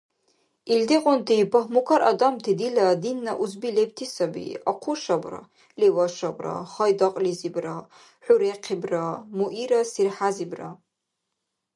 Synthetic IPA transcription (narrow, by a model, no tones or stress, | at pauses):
ildiqʼʊntʰipʰaχmukʰaɾʔa̰damtʰidiladinːaʔuzbilep̚tʰisabḭaqʷʰuʃabra̰ | lewaʂabra̰χajdaqʼlizibra | ħʷᶣuɾeqʰibramuʔiɾasirħazibra